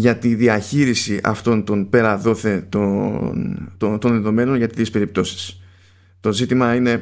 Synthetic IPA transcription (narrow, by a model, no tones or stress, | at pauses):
ʝɐt̪iðiɐçiɾisiʔɐ̰ft̪o̞nt̪o̞npe̞ɾɐðo̞θe̞t̪ont̪ot̪o̞nðe̞ðo̞me̞no̞nʝɐt̪it̪ispe̞ɾip̚t̪o̞si̥s | t̪o̞zit̪imɐine̞